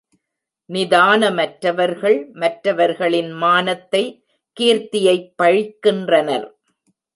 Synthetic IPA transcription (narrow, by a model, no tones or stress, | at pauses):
nɪðaːnɐmɐʈɾɐʋɐɾɣɐɭmɐʈɾɐʋɐɾɣɐɭɪnmaːnɐt̪ːɐɪ | kiːɾt̪ɪjɐɪpːɐɻɪkːɪndrɐnɐɾ